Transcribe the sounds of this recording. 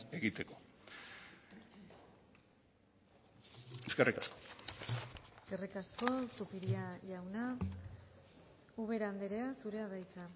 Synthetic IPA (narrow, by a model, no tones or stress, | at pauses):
e̞ɣit̪e̞ko̥ | eskerikasko̥ | serikasko̞supiɾiaʝawna | uβ̞e̞ɾaːnd̪eɾe̞asuɾe̞aðajt͡sa